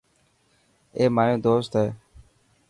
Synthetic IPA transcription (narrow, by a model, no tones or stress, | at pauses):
eːmaːjõːd̪oːst̪ɦeː